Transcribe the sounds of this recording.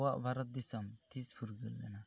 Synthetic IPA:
waʔbaɾɔt̪̚d̪isɔmt̪ʰispʰuɾɡɯlːɛ̰na

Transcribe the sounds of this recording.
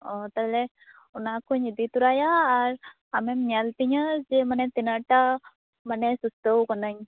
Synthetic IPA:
ɔt̪ale | unakʰuɲid̪it̪uɾajaːɾ | amemalt̪iɲəd͡ʒemanɛt̪inəɾʈa | mənesust̪əwkɔnəɲ

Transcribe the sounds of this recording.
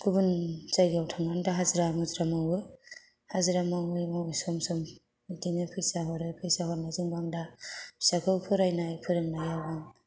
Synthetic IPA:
ɡ̥ubɯnzajɡawtʰaŋandaɦazɾamɯzɾamawɯ | hazɾamaŋɯjmawsɔmsɔm | itinɯpʰɯjsaɦɔɾɯjpʰɯjsaɦɔɾnazɯŋbaŋdḁsakʰɯwpʰɯɾajnajpʰɯɾɯŋnajabaŋ

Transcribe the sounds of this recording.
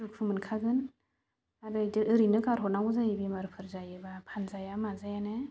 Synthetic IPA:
uk̚pʰɯmɯnkʰaɡɯn | aɾɯjdɯʔɯɾinɯkaɾɦɔt̚nawzajibimaɾpʰɯɾzajɯbapʰanzajamazajanɯ

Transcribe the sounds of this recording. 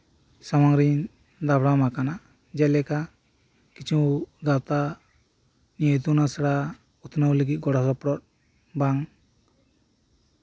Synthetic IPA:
samaŋɾin | d̪abɽamakana | d͡ʒɛlɛka | kit͡ʃʰuɡawt̪a | nijəjt̪unasaɽa | ut̪ʰnawləɡit̪̚ˀɡɔɽasɔpɽɔt̪̚ | baŋ

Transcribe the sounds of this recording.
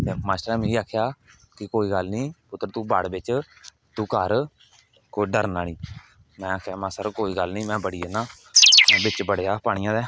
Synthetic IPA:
t̪eːmaːsʈəɾɛ̃ːmẽːiːaːkʰejaː | kɪkoːiːɡəlniːpʊt̪ːɾt̪ũːbaɽbɪt͡ʃ | t̪ũːkəɾ | koɖəɾnaːnĩː | mɛ̃ːaːkʰjaːmãːsəɾkoːiːɡəlnĩːmɛ̃ːbəɽiːɛːnãː | bɪt͡ʃbəɽeaːpaːɳ̃ɪjãːd̪ɛː

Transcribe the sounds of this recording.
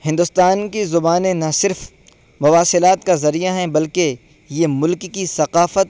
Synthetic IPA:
hɪ̃nd̪ʊst̪aːnkizʊbaːnẽnɐsɪɾf | mʊʋaːsɪlaːt̪kazɐɾijaɦɛ̃bɐlke | jemʊlkkisɐqaːfət̪

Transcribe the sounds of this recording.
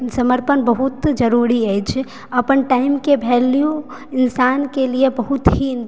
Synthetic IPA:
səməɾpənbəɦut̪d͡ʒəɾuɾiəjt͡ʃʰ | əpənʈaimkebʱeljiju | insankelijebəɦut̪ɦin

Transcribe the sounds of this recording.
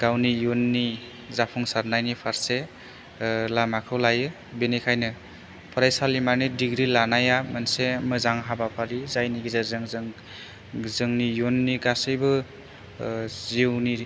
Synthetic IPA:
ɡ̥awnijonːi | zapʰuŋsaɾnajnipʰaɾse | lamakʰɯwlajɯ | benikʰajnɯ | pʰɔɾajsalimanidiɡɾilanajamansemɯzaŋɦabapʰaɾizajniɡizazɯŋzɯŋ | zɯŋnijonːiɡasɯjbɯ | ziwni

